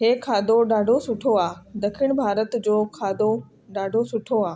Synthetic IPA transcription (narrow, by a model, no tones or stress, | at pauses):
ɦeːkʰaːd̪oɗaːɖʱosʊʈʰoaːd̪ɐkʰɪɽ̃bʱaːɾət̪d͡ʑoːkʰaːd̪o | ɗaːɖʱosʊʈʰoaː